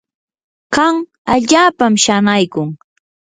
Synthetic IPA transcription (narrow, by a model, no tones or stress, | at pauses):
kaŋ | aʎaːpamʃanajkʊŋ